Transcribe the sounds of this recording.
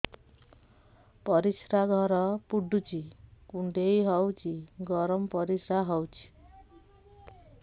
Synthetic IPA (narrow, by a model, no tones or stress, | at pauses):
pʌɾisɾaɡʱʌɾʌpuɖut͡ʃikuɳɖejɦʌwt͡ʃʰiɡɔɾʌmpʌɾisɾaɦʌwt͡ʃʰi̥